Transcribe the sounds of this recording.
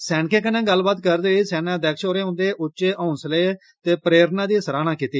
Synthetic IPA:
sɛːnkẽːkənẽːɡəlːbaːt̪kəɾd̪eːiːsɛːnãːd̪ɛːkʃoːɾeːɦʊ̃nd̪eːʔʊt͡ʃʃeːʔɔ̃ːnsleː | t̪eːpəɾeːɾnãːd̪iːsəɾaːnãːkiːt̪iː

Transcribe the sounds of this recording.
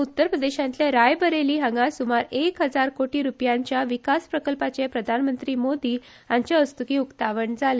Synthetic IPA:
ut̪ːəɾpɾəd̪eɕãnt̪ljaɾajbəɾeliːɦəŋɡasumaɾekɦəd͡zaɾkoʈiːɾupjaɲt͡ɕjaʋikaspɾəkəlpat͡ɕepɾəd̪ʱanmənt̪ɾiːmod̪iː | aɲt͡ɕaəst̪ukiːukt̪aʋəɳd͡zʱale

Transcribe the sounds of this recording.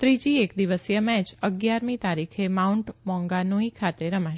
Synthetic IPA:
t̪ɾid͡ʒiekd̪iʋəsjəmɛt͡ʃəɡjaɾmit̪aɾikʰemauɳʈmɔ̃ŋɡanuĩkʰat̪eɾəmaʃ

